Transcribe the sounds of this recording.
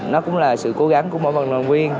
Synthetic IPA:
nɔ˨˦kʊ̰˧˥wŋ͡mlaː˨˩sɨ̰˧˨ko˨˦ɣa˨˦ŋku˧˥əmo̰˧˨və˨˩ŋnlaː˨˩kwi˧ən

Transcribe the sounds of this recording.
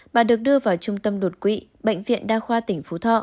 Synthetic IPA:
ɓaː˨˩ɗɨ˨˩ək̚ɗɨ˧əvaː˨˩wt͡ɕʊ˧ŋ͡mt̪ə˧mlu˨˩t̚kwḭ˧˥ɓə̰˧˨jŋvḭ˧˨ənɗaː˧xwaː˧t̪ï˧˩ŋ̟fu˨˦t̪ʰɔ̰˧˨

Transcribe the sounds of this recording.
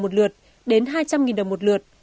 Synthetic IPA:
mo˨˩t̚lɨ˨˩ət̚ | ɗe˨˦nɦaː˧jt͡ɕa˧mŋi˨˩nɗə˨˩wŋ͡mmo˨˩t̚lɨ˨˩ət̚

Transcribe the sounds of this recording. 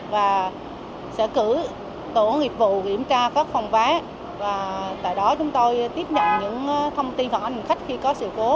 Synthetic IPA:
vaː˨˩ | sɛ̰˧˥kɨ̰˧˩˥ | t̪o˧˩ŋi˨˩əp̚vṵ˧˨kḭ˧˩əmt͡ɕaː˧kɔː˦˥k̚fɔ˧wŋ͡mvaː˨˦ | vaː˨˩t̪a̰ː˧˨jɗɔ˨˦t͡ɕʊ˨˦ŋ͡mt̪o˧jt̪i˦˥əp̚ɲə̰˧˨nɲɨ̰˧˥ŋ˦t̪ʰə˧wŋ͡mt̪i˧nfa˨˩ʔa˧nhi˨˩ŋ̟xa˦˥k̟̚xi˧kɔ˨˦sɨ̰˧˨ko˨˦

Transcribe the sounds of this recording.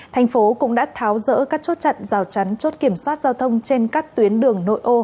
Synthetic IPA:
t̪ʰa˨˩jŋ̟fo˨˦kʊ̰˧˥ŋ͡mɗa̰ː˧˥t̪ʰaː˨˦wzə̰ː˧˥kaː˦˥k̚t͡ɕo˦˥t̚t͡ɕə̰˧˨nzaː˨˩wt͡ɕa˨˦jŋ̟t͡ɕo˦˥t̚ki˧˩əmswaː˦˥t̚zaː˧wt̪ʰə˧wŋ͡mt͡ɕe˧nkaː˦˥k̚t̪wi˨˦ənɗɨ˨˩əŋno̰˧˨jʔo˧

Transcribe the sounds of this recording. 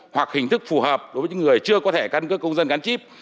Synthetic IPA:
hwa˨˩k̚hï˨˩ŋ̟t̪ʰɨ˦˥k̚fu˨˩həː˨˩p̚ɗo˨˦jvːɲ˨˦ŋɨ˨˩əjt͡ɕɨ˧əkɔ˨˦t̪ʰe˧˩ka˧nkəː˦˥kːə˧wŋ͡mzə˧nɣa˨˦nt͡ɕi˦˥p̚

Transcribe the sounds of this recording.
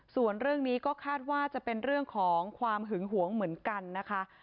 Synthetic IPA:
su˨˩ənɾɯ˥˩əŋniː˦˥kɔː˥˩kʰaː˥˩t̪̚waː˥˩t͡ɕa˨˩pe˧nɾɯ˥˩əŋkʰɔː˩˦ŋkʰwaː˧mɦɯ˩˦ŋɦu˩˦əŋmɯ˩˦ənka˧nːa˦˥kʰa˦˥

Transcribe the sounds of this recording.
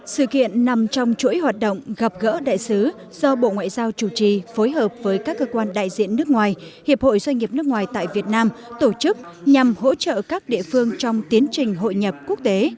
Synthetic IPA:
sɨ̰˧˨kḭ˧˨ənːa˨˩mt͡ɕɔ˧wŋ͡mt͡ɕṵ˧˥əjhwaː˨˩t̚ɗo̰˧˨wŋ͡mɣa˨˩p̚ɣə̰ː˧˥ɗa̰ː˧˨jsɨ˨˦ | z̥ɔ˧ɓo̰˧˨ŋwa̰ː˧˨jzaː˧wt͡ɕu˧˩t͡ɕi˨˩fo˨˦jɦəː˨˩p̚vəː˨˦jkaː˦˥kːəː˧kwaː˧nɗa̰ː˧˨jzḭ˧˨ənːɨ˦˥ək̚ŋwaː˨˩jhḭ˨˩əp̚ho̰˧˨jzwa˧jŋ̟ɲi˨˩əp̚nɨ˦˥ək̚ŋwaː˨˩jt̪a̰ː˧˨jvi˨˩ət̚naː˧mt̪o˧˩t͡ɕɨ˦˥k̚ɲa˨˩mho̰˧˥t͡ɕə̰ː˧˨kaː˦˥k̚ɗḭ˧˨əfɨ˧əŋt͡ɕɔ˧wŋ͡mt̪i˨˦ənt͡ɕï˨˩ŋ̟ɦo̰˧˨jɲə˨˩p̚ku˦˥ək̚t̪e˨˦

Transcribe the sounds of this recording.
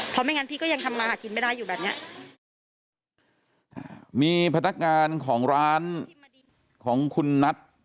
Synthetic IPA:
pʰɔ˧˦˥ma˥˩jŋa˦˥pʰiː˥˩kɔ˥˩ja˧ŋt̪ʰa˧mːaː˧aː˨˩ki˧nma˥˩daː˥˩jːuː˨˩bɛː˨˩p̚ni˦˥ɐʔ | ʔa˧˩miː˧pʰa˧na˦˥k̚ŋaː˧nkʰɔː˩˦ŋɾaː˦˥n | kʰɔː˩˦ŋkʰu˧nːa˦˥t̪̚

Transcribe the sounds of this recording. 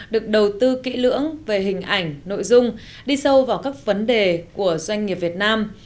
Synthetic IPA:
ɗɨ˨˩ək̚ɗə˨˩wt̪ɨ˧kḭ˧˥lɨ̰˧˥əŋve˨˩ɦï˨˩ŋ̟ʔa˧˩jŋ̟no̰˧˨jzʊ˧ŋ͡m | ɗi˧sə˧wvaː˨˩wkaː˦˥k̚və˨˦nɗe˨˩ku˧˩əzwa˧ŋ̟ːi˨˩əp̚vi˨˩ət̚naː˧m

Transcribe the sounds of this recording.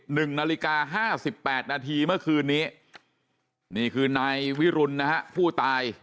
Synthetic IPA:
nɯ˨˩ŋnaː˧li˦˥kaː˧ɦaː˥˩si˨˩pːɛː˨˩t̪̚naː˧t̪ʰiː˧mɯ˥˩ɐkʰɯː˧nːiː˦˥ | niː˥˩kʰɯː˧naː˧jwi˦˥ɾu˧nːa˦˥ha˦˥pʰuː˥˩t̪aː˧j

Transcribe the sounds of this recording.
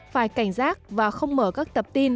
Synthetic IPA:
faː˧˩jka˧˩jŋ̟zaː˦˥t̚vaː˨˩xə˧wŋ͡mməː˧˩kaː˦˥k̚t̪ə˨˩p̚t̪i˧n

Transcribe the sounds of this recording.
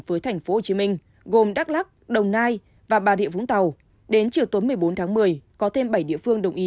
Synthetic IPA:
vəː˨˦jt̪ʰɛ˨˩ŋ̟fo˨˦ho˨˩t͡ɕi˨˦mï˧ŋ̟ | ɣo˨˩mɗaː˦˥k̚laː˦˥k̚ɗə˨˩wŋ͡mnaː˧j | vaː˨˩ɓaː˨˩ɗḭ˧˨əvʊ̰˧˥ŋ͡mt̪a˨˩w | ɗe˨˦nt͡ɕi˨˩əwt̪o˨˦nmɨ˨˩əjɓo˨˦nt̪ʰːŋmɨ˨˩əjkɔ˨˦t̪ʰe˧mɓə˧˩jɗḭ˧əfɨ˧əŋɗə˨˩wŋ͡mʔi˨˦

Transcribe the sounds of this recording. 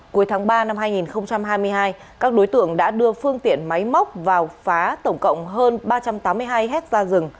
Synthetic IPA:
ku˨˦jt̪ʰaː˨˦ŋɓaː˧na˧mhaː˧jŋi˨˩nxə˧wŋ͡mt͡ɕa˧mɦaː˧jmɨ˧əjɦaː˧j | kaː˦˥k̚ɗo˨˦jt̪ɨ̰˧˨əŋɗa̰ː˧˥ɗɨ˧əfɨ˧əŋt̪ḭ˧˨ənma˨˦jma˦˥wk͡p̚vaː˨˩wfaː˨˦t̪ə˧˩wŋ͡mkə̰˧˨wŋ͡mɦəː˧nɓaː˧t͡ɕa˧mt̪aː˨˦mːɨ˧əjɦaː˧jɦɛ˦˥t̚zaː˧zɨ˨˩ŋ

